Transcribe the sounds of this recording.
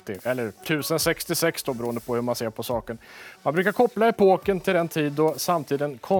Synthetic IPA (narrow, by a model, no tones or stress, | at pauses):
t̪ɪɛlːəɾt̪ʰʉ̟ːsənsɛkst̪ɪsɛksd̪ɔbɾuːənd̪əpʰɔhɵmanseːɾpʰɔsɑːkənmanbɾʉkaɾkʰɔpːlaɛpʰoːkənt̪ʰɪld̪ɛnt̪ʰiːd̪ːɔsamt̪ʰiːd̪ənkʰɔ